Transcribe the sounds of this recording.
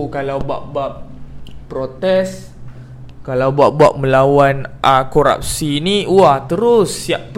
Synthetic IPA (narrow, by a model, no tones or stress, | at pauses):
kalawbua̰ʔ̚bap̚pɾot̪ɛs | kalawbuaʔ̚buaʔ̚məlawanʔakoɾa̰p̚siniuaht̪əɾʊsːiap̚t̪